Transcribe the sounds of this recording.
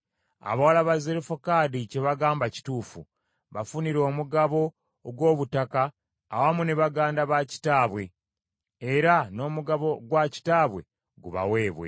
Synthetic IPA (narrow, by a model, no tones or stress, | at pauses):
a̰βawalaβaze̞ɾifokadice̞βaɡaːmbaci̥tuːfṵ | βafuniɾo̞ːmuɡaβo̞ː | ɡwo̞ːβutakaː | wamuneβaɡaːndaβaci̥taːβwe̞ː | ɾano̞ːmuɡaβo̞ɡwaci̥taːβwe̞̰ | ɡuβa̰we̞ːβwe̞̰